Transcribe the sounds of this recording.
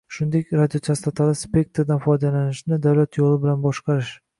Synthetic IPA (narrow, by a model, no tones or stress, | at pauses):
ʃʊnd̪ekʲɾad̪ijot͡ʃ̪ʰast̪at̪ʰalˠɪspʲe̞k̚t̪ɾd̪anfɒjd̪alanɪʃnɪd̪awlat̪ʰjolˠɪbɪlanbɒʃqʰɑɾɪʃ